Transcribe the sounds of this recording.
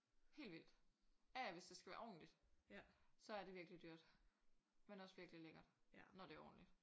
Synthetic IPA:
he̝̰ːld̥ʋil̰d̥æʋe̝sd̥e̝sɡ̥æʋæːɐɒ̰ːn̩lid̥ | sɒ̽æɐɾ̥e̝ʋiɐɡ̥əlid̥yɐ̰d̥ | menɒ̽sʋiɐɡ̥əlileɡ̥ɐ̥nɒd̥e̝æɐɒ̰ːn̩lid̥

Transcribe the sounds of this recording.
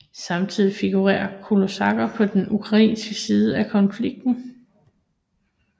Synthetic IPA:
sɑ̈mt͡sʰið̰ˠifiɡ̥uʁɛ̰ːɐkʰolo̝sɑ̈ɡ̥ɐpʰɒ̽d̥enukʰʁɑ̈ḭːnsɡ̥əsiːð̞ˠəækʰɒ̽nfliɡ̥̚d̥n̩

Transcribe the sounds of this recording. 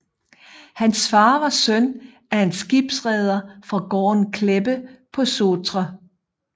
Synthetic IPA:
hænsfɑ̈ːʋɑ̈sœn | æɐe̝nsɡ̥ib̥sʁɛð̞ˠɐfʁɑ̈ɡ̥ɒ̰ːnkʰleb̥əpʰɒ̽soːt͡sʁɐ

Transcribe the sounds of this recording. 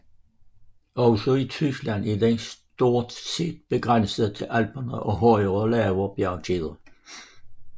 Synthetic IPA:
ɒʊsɒit͡sʰysɡ̥lænid̪̥ensd̪̥o̝ɐ̰d̥̪se̝̰ːd̪̥̚b̥eɡ̥ʁansəð̩ˠt͡sʰe̝lʔælb̥ɐnəʔɒ̽ɦɒɪʁəlɛːʋɐb̥jæɐɡʰiðˠɐ

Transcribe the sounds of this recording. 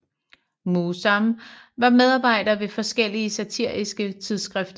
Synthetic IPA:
musɑmʋɑ̈með̞ˠɑ̈ːb̥ɑ̈ɪ̰d̥ɐʋe̝fɒ̽sɡ̥el̰iəsæt͡sʰiɐ̰isɡ̥ət͡sʰiðˠsɡ̥ʁɛfd̥ɐ

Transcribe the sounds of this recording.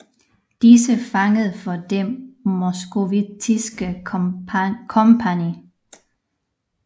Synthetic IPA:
d̥isəfɑ̈ŋəð̩ˠfɒ̽d̥emo̝sɡ̥o̝ʋit͡sʰisɡ̥ə | kʰɒmpʰæni

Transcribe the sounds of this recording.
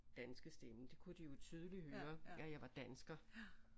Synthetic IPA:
d̥ænsɡ̥əsd̥eməd̥e̝kʰud̥ijo̝t͡sʰyð̞ˠəlihøːɐæjɑ̈ɪʋɑ̈d̥ænsɡ̥ɐ

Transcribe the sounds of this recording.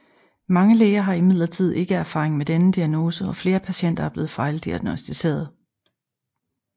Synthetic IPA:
mɑ̈ŋəleːɐɦɑ̈imið̞̰ˠlɐt͡sʰið̞̰ˠe̝ɡ̥əæɐfɑ̈ːʁeŋmed̥enəd̥iæno̝ːsəɒ̽fle̝ːɐpʰæɕen̰d̥ɐæɐb̥le̝ːð̩ˠfɑ̈ɪl̩ˠd̥iæɡ̥nosd̥ise̝̰ːɐð̞ˠ

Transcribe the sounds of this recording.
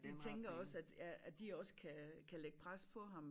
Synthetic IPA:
d̥e̝t͡sʰeŋɡ̥ɐɒ̽sæd̥ææd̥iɒ̽skʰækʰæleɡ̥pʰʁaspʰɒ̽ɦɑ̈m

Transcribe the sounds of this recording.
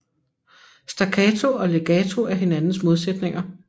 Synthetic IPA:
sd̥ækʰɛt͡sʰo̝ɒ̽leɡ̥ɛt͡sʰo̝æɐɦe̝nænn̩smo̝ð̞ˠsed̥ne̝ŋɐ

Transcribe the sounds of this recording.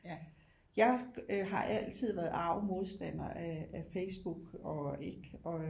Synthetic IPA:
jɑ̈ɪɦɑ̈ʔæl̰t͡sʰið̞̰ˠʋæɐð̩ˠɑ̈ʊmo̝ð̞ˠsd̥æn̰ɐʔæːfeɪsb̥uɡ̥ɒ̽e̝ɡ̥ɒ̽

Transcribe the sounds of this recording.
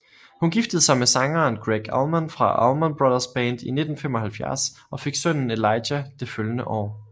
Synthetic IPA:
hunɡ̥ifd̥əð̞̩ˠsɑ̈ɪmesɑ̈ŋɐːnɡ̥ʁeɡ̥ɑlmonfʁɑ̈ʔɑlmonb̥ʁoðˠɐsb̥ɛːnd̥ine̝d̥n̩fem̰ɒ̽hælfjæɐsʔɒ̽fe̝ɡ̥sœn̰n̩e̝lɑ̈ɪdæd̥e̝føljənəʔɒ̰ː

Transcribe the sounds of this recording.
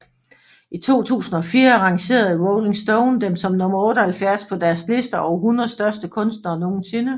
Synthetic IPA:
it͡sʰo̝̰ːt͡sʰṵːsn̩ɒ̽fiːɐʁɑ̈ŋɕe̝̰ːɐðˠwɔʊle̝ŋsd̥oʊnd̥emsɒ̽mnɔ̽mɐɔ̽ːd̥əhælfjæɐspʰɒ̽d̥æɐsle̝sd̥ɐʔɒʊɦunɐð̩ˠsd̥ɶɐsd̥əkʰɔ̽nsd̥nɐːno̝ːn̩se̝nə

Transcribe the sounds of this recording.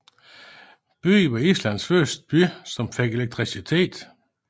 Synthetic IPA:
b̥y̰ːʋɑ̈islæn̰sfœɐsd̥̚əb̥ysɒ̽mfeɡ̥eleɡ̚t͡sʰʁisit͡sʰe̝̰ːd̥

